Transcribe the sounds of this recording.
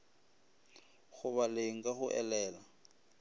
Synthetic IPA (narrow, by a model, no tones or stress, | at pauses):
ɣʊβalɪŋ̩kʼahʊʔɛlɛːla